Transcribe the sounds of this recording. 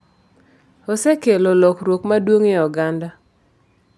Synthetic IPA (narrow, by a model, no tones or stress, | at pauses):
ɔsɛkelolɔkɾwokmadwoŋɪɔɡanda